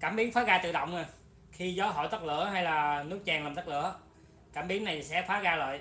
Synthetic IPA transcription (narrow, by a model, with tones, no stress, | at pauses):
kaː˧˩mɓi˨˦əŋfaː˨˦ɣaː˧t̪ɨ̰˧˨ɗə̰˧˨wŋ͡mno˨˩j | xi˧zɔ˨˦ɦo̰˧˨jt̪ə˦˥t̚lɨ̰˧˩əɦa˧jlaː˨˩nɨ˦˥k̚t͡ɕɛː˧˩ŋlːaː˨˩mt̪ə˦˥k̚lɨ̰˧˥ə | kaː˧˩mɓi˨˦əŋna˨˩jsɛ̰˧˥faː˨˦ɣaː˧lə̰ː˧˨j